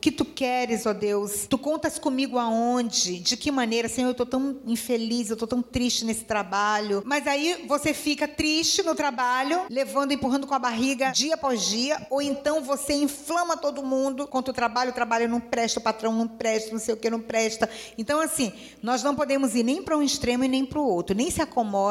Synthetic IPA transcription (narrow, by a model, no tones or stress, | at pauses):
ʊkɪt̪ukɛɾɪzɔd̪ewst̪ukõnt̪ɐskõmiɡʊaõd͡ʒɪd͡ʒɪkɪmɐ̃nejɾɐsĩewt̪owt̪ɐ̃w̃ĩfelizewt̪owt̪ɐ̃w̃t̪ɾiʃt͡ʃɪnesɪ̥t̪ɾabaʎʊmɐzaivosefikɐt̪ɾiʃt͡ʃɪnʊt̪ɾabaʎʊlevɐ̃nd̪ʊẽpuɦɐ̃nd̪ʊkõɐbaɦiɡɐd͡ʒiɐpɔzd͡ʒiɐowẽnt̪ɐ̃w̃voseĩflɐ̃mɐt̪od̪ʊmũnd̪ʊkõt̪ewt̪ɾabaʎʊt̪ɾabaʎʊnɐ̃w̃pɾɛʃt̪ɐʊpat̪ɾɐ̃w̃nɐ̃w̃pɾɛʃt̪ɐnɐ̃w̃sejʊkenɐ̃w̃pɾɛʃt̪ɐẽnt̪ɐ̃w̃asĩ | nɔznɐ̃w̃pod̪ẽmʊziɾnẽj̃pɾɐũiʃt̪ɾẽmʊɪnẽj̃pɾʊowt̪ɾʊnẽj̃sɪakomɔd̪